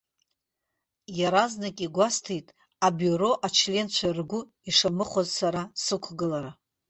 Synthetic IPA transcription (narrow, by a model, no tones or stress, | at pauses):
jaɾaznakʼiɡʷastʰejtʼ | abjuɾo̞ʔat͡ʃʰle̞nt͡ʃʷʰarɡʷʊ | iʂamɨχʷazsaɾasɨkʷʰɡɨlaɾa